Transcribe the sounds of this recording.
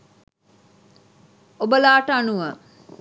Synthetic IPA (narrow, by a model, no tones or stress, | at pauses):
obəlaːʈəanuʋə